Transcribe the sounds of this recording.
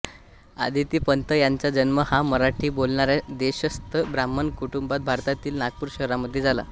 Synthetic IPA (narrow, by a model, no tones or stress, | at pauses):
a̰d̪ʱit̪iːpənt̪əjaɲt͡ɕad͡ʑənməhaməɾaʈʰiːbolɳaɾjad̪eɕəst̪əbɾamːənkuʈumbat̪̚bʱaɾt̪at̪iːlnak̚puːɾɕəɦɾaməd̪ʱːjed͡zala̰